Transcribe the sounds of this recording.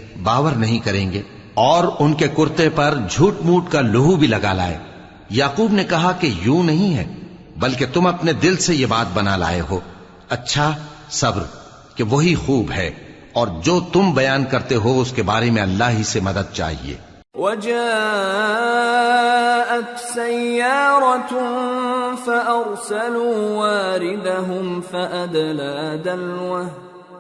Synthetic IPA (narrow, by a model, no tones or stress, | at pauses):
baːʋəɾnɐɦĩkɐɾẽːŋɡeː | ɔːɾʊnkekʊɾt̪epɐɾd͡ʒʱuːʈmuːʈkalʊɦubʱilɐɡala̰ːḛː | jaːquːbnekɐɦakejũːnɐɦĩɦɛ̰ː | bɐlket̪ʊmɐpned̪ɪlsejebaːt̪̚bɐnala̰ːeɦoː | ɐtːʃʰa | sɐbɾ | keʋɐɦixuːbɦɛ | ɔːɾd͡ʒoːt̪ʊmbɐjaːnkɐɾt̪eɦoʊskebaːɾemẽɐlːaːɦisemɐd̪əd̪̚t͡ʃa̰ːɦḭḛː | wad͡ʒaː | ʔat̪sajːɑːɾˤɑ | faʔɑɾsaluːwaːɾɪd̪aɦʊmfaʔad̪laːd̪alwahd̪